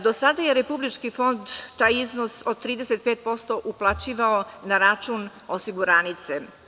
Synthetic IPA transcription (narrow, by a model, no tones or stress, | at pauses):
d̪o̞sad̪aje̞ɾe̞publit͡ʃkifo̞nd̪t̪aːjiznosod̪̚t̪ɾiːd̪eset̪̚peːt̪̚po̞st̪o̞ʔuplˠat͡ɕiːʋaonaɾat͡ʃun | osiɡuɾaːnit̪se